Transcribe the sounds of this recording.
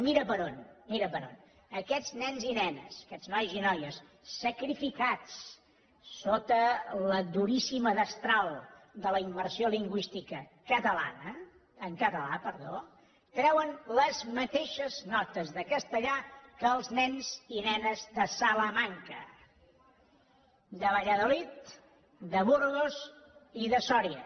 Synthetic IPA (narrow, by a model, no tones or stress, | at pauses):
miɾəβəɾonmiɾəβəɾo̰n | əkɛd͡znɛnzinɛnə̰sə̥kɛznɔjzinɔjəsː | əkɾifikat͡s | sot̪ələd̪uɾisiməðəst̪ɾalˠd̪ələimːəɾsioliŋɡwist̪ikəkət̪əla̰nə | əŋkət̪əlapəɾðo | kɾɛwənləzmət̪eʃəznɔt̪əzðəkəst̪əʎakəːlˠznɛnzinɛnəzðəsaləmaŋkə̰ | d̪əβəʎəðolit̪ | d̪əβuɾɣoziðəsɔɾiə̰